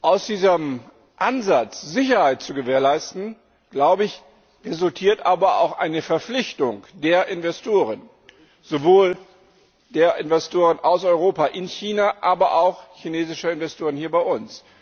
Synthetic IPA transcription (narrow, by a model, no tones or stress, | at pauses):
ʔaʊsd̥iːzəm | ʔanzat͡sz̥ɪçɐhaɪt̚t͡suɡəveːɐlaɪstn̩ | ɡ̥laʊbəɪç | ʁezʊltʰiːɐtʔaːbɐa̰ʊxʔa̰ɪnəfɛɐflɪçtʊŋd̥eːɐʔɪnvɛstʰoːʁən | z̥ovoːl | d̥eːɐʔɪnvɛstʰoːʁ̞ənʔaʊsɔʏʁoːpaʔɪnçiːnaʔaːbɐʔaʊxçineːzɪʃɐɪnvɛstʰoːʁənhiːɐbaɪʔʊns